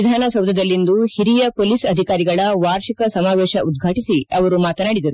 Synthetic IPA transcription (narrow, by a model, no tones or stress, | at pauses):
id̪ʱaːnɐsɐwd̪ʱɐd̪ɐlːind̪uhiɾijɐpoːlisɐd̪ʱikaːɾiɡɐɭɐʋaːɾʃikɐsɐmaːʋeːʃɐʔud̪ɡʱaːʈisiɐʋɐɾumaːt̪ɐnaːɽid̪ɐɾu